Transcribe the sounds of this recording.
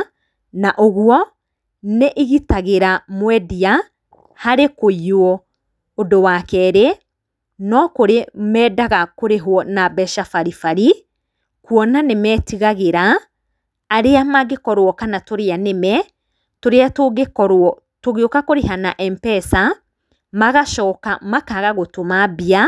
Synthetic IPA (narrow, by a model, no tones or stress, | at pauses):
naʔoɣwɔ | neʔiɣitaɣeɾamwɛdia | haɾekoiwɔ | odowakɛɾe | nɔkoɾemɛːdaɣakoɾeɦwɔnabɛʃafaɾifaɾi | kwɔnanemɛːtiɣaɣeɾaː | ɾeamaɡekɔɾwɔkanatoɾeanemɛ | toɾeatoɣekɔɾɔ | toɣeokakoɾeɦanaʔɛmpɛsa | maɣaʃɔːkamakaɣaɣotomabia